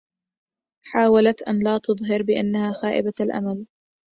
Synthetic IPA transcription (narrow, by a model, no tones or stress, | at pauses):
ħaːwalat̪ʔanlaːt̪ʊðˤɦɑɾbɪʔa̰nːahaːxaːʔɪ̰baalʔa̰mal